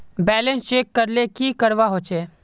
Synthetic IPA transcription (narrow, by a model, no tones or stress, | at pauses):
bɛːlə̃nst͡ʃeːkːəɾlekikəɾʋaɦoːt͡ʃeː